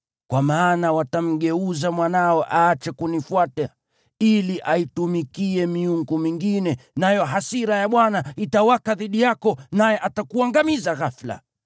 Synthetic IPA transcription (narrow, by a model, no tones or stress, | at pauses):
kwamaːnawatam̩ɠɛuzamwanaɔʔaːt͡ʃɛkunifwatɛ | iliʔaitumikiɛmiuŋɡɔmiŋɡinɛnajɔɦasiɾajaɓwanaitawakaðiɗijakɔnajɛʔatakuaŋɡamizaɣafla̰